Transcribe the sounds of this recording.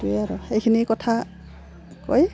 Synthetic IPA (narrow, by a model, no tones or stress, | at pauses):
tujaɹʊxejkʰinikɔtʰa | ko̰j